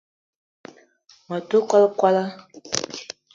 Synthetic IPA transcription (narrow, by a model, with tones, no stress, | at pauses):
ma˨to˦ka˦lkwa˦la˦